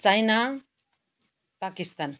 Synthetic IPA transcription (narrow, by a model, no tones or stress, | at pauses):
t͡sajna | pakist̪an